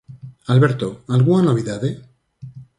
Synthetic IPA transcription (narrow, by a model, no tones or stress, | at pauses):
alβeɾt̪oalɣunanoβ̞iðaðe